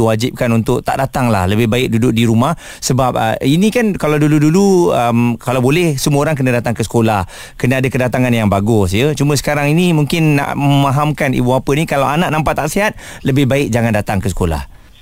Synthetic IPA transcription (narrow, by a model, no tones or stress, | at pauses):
wad͡ʒɪp̚kanunt̪ʊkʔ̚t̪a̰ʔdat̪aŋla̰hləbɪhbaɪk̚dudʊk̚diɾumah | səbap̚ə̰inĩkankalawduluduluəmkalawbolɛhsəmũoɾaŋk̬ənə̃dat̪aŋkəsə̥kolah | kənəadəkədat̪aŋanjaŋbaɡʊsjət͡ʃumə̃sə̥kaɾaŋinimuŋkɪnːa̰ʔməmaɦamkanḭbuapənikalawʔanaʔ̚nampat̪ːaʔsiɦat̪̚ləbɪhbaɪk̚d͡ʒaŋandat̪aŋkəsə̥kola̰h